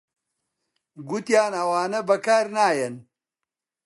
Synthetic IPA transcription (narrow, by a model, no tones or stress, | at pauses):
ɡut̪jaːnɐwaːnɐbɐkaːɾnaːjɐn